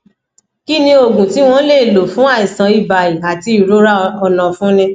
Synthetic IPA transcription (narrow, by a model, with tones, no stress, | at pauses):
ki˦nĩ˧o˨ɡũ˨ti˨˦w̃ɔ̃˦le˦˨lo˨fũ˦a˦˨i˨sã˨˦i˨ba˨i˨a˨ti˧˦i˨ɾo˨˦ɾa˦ɔ˨nã˨fũ˦nĩ˧